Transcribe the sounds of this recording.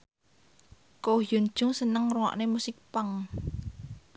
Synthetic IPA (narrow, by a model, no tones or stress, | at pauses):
kojon̥ʒ̥ʊ̤ŋsənəŋruwɔ̰ʔnemusɪk̚paŋ